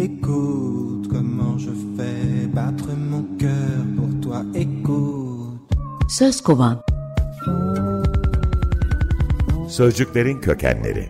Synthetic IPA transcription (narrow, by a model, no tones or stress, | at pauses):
eku | t̪kɔmɑ̃ʒəfɛbat̪χəmɔ̃kʲœʁpuʁt̪waeku | t̪søzkovan | søzd͡ʒycʲlʲe̞ɾincʰøcʰæ̰nlːʲḛɾḭ